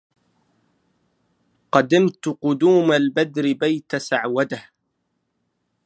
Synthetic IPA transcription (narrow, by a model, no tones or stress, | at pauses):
qɑd̪ɪmt̪ʊqʊd̪uːmalbad̪ɾɪbajt̪asaʕwad̪ah